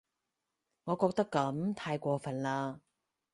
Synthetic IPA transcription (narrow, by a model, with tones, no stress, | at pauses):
ŋɔː˨˧kɔː˧k̚t̪ɐ˥kːɐ˨˥mt̪ʰaː˧jkʷɔː˧fɐ˨nlaː˧